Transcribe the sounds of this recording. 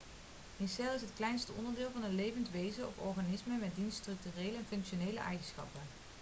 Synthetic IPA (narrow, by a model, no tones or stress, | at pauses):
mɪsɛlˠɪsɦətklɛjnstəʔɔ̰ndəɹdɪːlˠvɑnɦətlejvəntʋejzənɔfɔ̰ɹχanɪsməmɛt̚dinstrɵk̚tyreːjləɛnfɵŋkʃonejlə̰ʔɛ̰jχənsχɑ̰pə